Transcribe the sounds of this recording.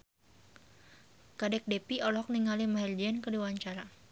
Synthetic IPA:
kadɛk̚dɛpiɔlɔk̚niŋalimaɦɛrd͡ʒɛnkədiwaɲt͡ʃaɾa

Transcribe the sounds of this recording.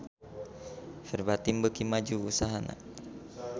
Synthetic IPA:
fɛrbat̪imbəkimad͡ʒuusaɦana̰

